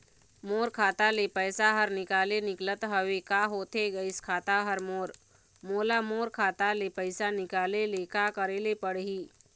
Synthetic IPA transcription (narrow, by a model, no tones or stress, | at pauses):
moːɾkʰaːt̪alepəːsaɦəɾnɪkaːlenɪklət̪ɦəʋekaɦoːt̪eɡəɪskʰaːt̪aɦəɾmoːɾ | moːlamoːɾkʰaːt̪alepəɪsanɪkaːlelekaːkəɾeːlepəɽɦiː